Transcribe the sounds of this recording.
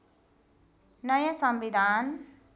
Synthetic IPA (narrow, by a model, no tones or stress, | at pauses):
nʌjasʌmʋid̪ʱaːn